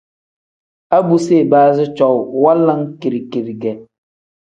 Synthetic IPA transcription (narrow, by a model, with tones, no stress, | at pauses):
a˦bu˨se˦˨baː˦zɪ˦t͡ʃɔ˨wwa˦la˦ŋki˨ɾi˨ki˨ɾɡɛ˨